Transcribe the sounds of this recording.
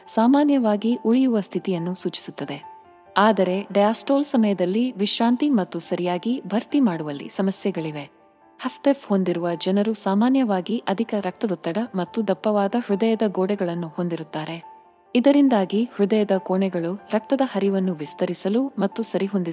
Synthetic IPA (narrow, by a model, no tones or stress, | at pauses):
saːmaːnjɐʋaːɡiʔuɭijuʋɐst̪ʰit̪ijɐnːusuːt͡ʃi̥sut̪ːɐd̪e̞ | aːd̪ɐɾe̞ɖɐjaːsʈoːlsɐmɐjɐd̪ɐlːiʋiʃɾaːnt̪imɐt̪ːusɐɾijaːɡibʱɐɾt̪imaːɽuʋɐlːḭsɐmɐsjɛɡɐɭiʋe̞ | hɐpʰt̪efho̞nd̪iɾuʋɐd͡ʒɐnɐɾusaːmaːnjɐʋaːɡiʔɐd̪ʱikɐɾɐk̚t̪ɐd̪ɐt̪ːɐɽɐmɐt̪ːud̪ɐpːɐʋaːd̪ɐhɾud̪ɐjɐd̪ɐɡoːɽɛɡɐɭɐnːuhond̪iɾut̪ːaːɾe̞ | id̪ɐɾind̪aːɡihɾud̪ɐjɐd̪ɐkoːɳɛɡɐɭuɾɐk̚t̪ɐd̪ɐhɐɾiʋɐnːuʋist̪ɐɾisɐlumɐt̪ːusɐɾiɦo̞nd̪i